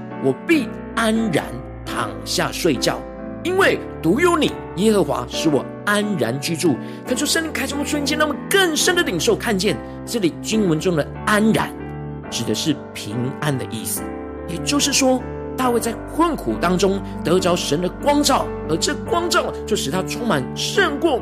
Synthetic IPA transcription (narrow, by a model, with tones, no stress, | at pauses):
wɔ˨˩pi˥˩ | a˥nɻa̰˧˥n | t̪ʰɑ̰˨˩ŋɕja̰˥˧ʂwe˥˧ɪt͡ɕjɑ̰˥˩ʊ | i˥nwe˥˩ɪ | t̪u˨˧˥jo˧˥ʊni˨˩ | jɛ˥xɤ˧˥xwa̰˧˥ʂɻ̩˧˥˩wɔ˨˩ | a˥nɻa˧˦nt͡ɕy˥ʈ͡ʂu˥˩ | kʰa˥˩n˩ʂwɔ˥ʂə˥˧nli˧˥ŋkʰa˥ɪʂə˥mpu˥˩t͡sʰi˥t͡ɕɛ˥˧na˥˩mə˨nkə˥˩nʂə˥nd̪ə˨li˨˩ŋʂo˥˩ʊkʰa˥˧nt͡ɕjɛ˥˩n | ʈ͡ʂɤ˥˩li˨˩t͡ɕy˥nwə˧˦˥nʈ͡ʂʊ˥ŋd̪ə˨ | a˥nɻa̰˧˦n | ʈ͡ʂɻ̩˨˩d̪ə˦ʂɻ̩˥˩pʰi˧˥ŋa˥nd̪ə˨ʔḭ˥˩sɹ̩˩ | jɛ˨˩t͡ɕjo˥˧ʊʂɻ̩˥˩ʂwɔ˥ | t̪a˥˧we˥˧t͡sa˥˩ɪkʰwə˥˩nkʰu˨˩t̪ɑ˥ŋʈ͡ʂʊ˥ŋ | t̪ɤ˧˥t͡sɑ˧˥ʊʂə˧˥nd̪ə˨kwɑ˥ŋt͡sɑ˥˩ʊ | ə˞˧˥ʈ͡ʂɤ˥˩kwɑ˥ŋt͡sɑ˥˩ʊt͡ɕjo˥˩ʊʂɻ̩˨˩t̪ʰa˥ʈ͡ʂʰʊ˥ŋma˨˦nʂə˥˧nkwɔ˥˩